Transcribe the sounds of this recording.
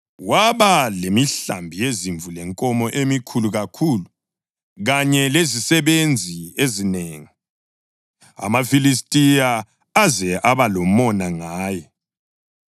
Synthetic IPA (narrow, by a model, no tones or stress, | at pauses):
waβalemiɬa̰mbʱijeziɱvulɛŋkʼɔmɔʔemikʰuluɣakʰuːlu | ɣaɲɛlezisɛβend͡zʱiezineːŋi | a̰mafilistʼijaː | zɛʔaβalɔmɔnaŋaːjɛ